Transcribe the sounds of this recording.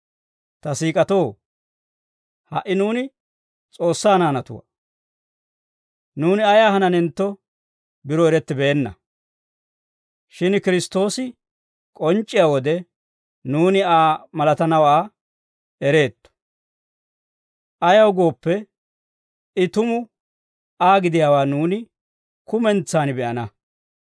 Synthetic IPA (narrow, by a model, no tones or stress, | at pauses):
t̪ɐsiːkʼɐt̪o̞ː | hɐ̰ʔɪnuːnɪ | t͡sʼo̞ːsːaːnaːnɐt̪ʊ̰wɐ̰ | nuːnɪɐjaːɦɐnɐnɛnt̪ːɔ | bɪɾɔɛɾɛt̪ːɪbe̞ːnːɐ̰ | ʃɪnkɪɾɪst̪ːo̞ːsɪ | kʼɔnt͡ʃʼːɪjawɔd̪ɛ | nuːnɪaːmɐlɐt̪ɐnɐwaː | ɛɾe̞ːt̪ːɔ̥ | ʔɐjɐwɡo̞ːpːɛ | ɪt̪ʊmʊ | aːɡɪd̪ɪjaːwaːnuːnɪ | kʊmɛnt͡sːaːnɪbɛʔɐnɐ